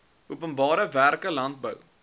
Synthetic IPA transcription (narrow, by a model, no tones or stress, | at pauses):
uəpənbɑːɾəværkəlɐnt̚bəw